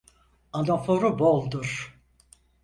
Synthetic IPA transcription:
anofoɾubolˠd̪uɾ̥

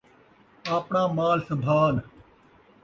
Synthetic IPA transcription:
aːpɳãːmaːlsəbʱaːn

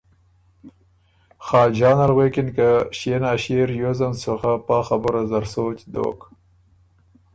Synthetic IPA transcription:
xɑːld͡ʒɑːnalɣwekɪnkaʃenɑːɕeɾjozansoxapɑːxabəɾazaɾsoːt͡ʃd̪o̰ːk

